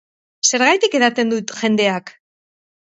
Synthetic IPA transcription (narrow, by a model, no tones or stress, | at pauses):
se̞ɾɣajt̪ike̞ðat̪e̞nd̪ut̪ʝe̞nd̪e̞ak